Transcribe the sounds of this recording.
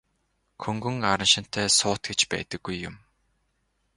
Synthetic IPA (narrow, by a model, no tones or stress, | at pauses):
kʰɵŋɡɵ̆ŋaɾə̆nʃɪ̆n̥t̪ʰːæːsʊːt̪ɡet͡ɕpæ̰ːt̪ə̆ɡːujːʊm